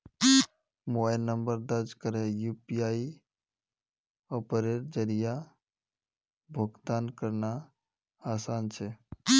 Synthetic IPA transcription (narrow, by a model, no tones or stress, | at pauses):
mobaːɪlnːəmbəɾd̪əɾd͡ʒkəɾejuːpiaːi | ɔpəɾeɾd͡ʒəɾija | bʱəɡt̪aːnkəɾnaː | saːnt͡ʃʰe